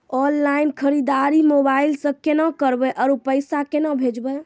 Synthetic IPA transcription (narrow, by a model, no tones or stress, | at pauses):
ɔnlainkʰəɾid̪aɾimobailsə̃kenakəɾbɛʔɔɾupəjsakenəbʱed͡ʒbɛ